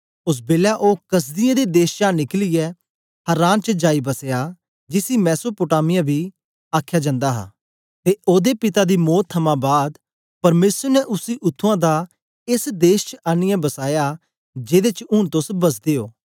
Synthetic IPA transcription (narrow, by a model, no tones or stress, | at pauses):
ʊs̬beːlaʔoːkɐs̬d̪ɪjãːd̪eːd̪eːʃt͡ʃãːnɪklɪjɛ | hɐɾaːnt͡ʃəd͡ʒaːibɐsejaː | d͡ʒɪsiːmɛːsoːpʊʈaːmɪjãbʱiː | aːkʰːjaːd͡ʒə̃nd̪aːɦa̰ː | t̪eːʔoːd̪eːpɪt̪aːd̪iːmɔːt̪ʰːəmãːbaːd̪ | pɐɾmeːsəɾnɛʔʊsiːʔʊt̪ʰːuãːd̪aː | ɪsd̪eːʃt͡ʃəaːnɪjãːbɐsaːjaː | d͡ʒeːd̪eːt͡ʃʊ̃ːɳt̪ʊsbɐs̬d̪eːoː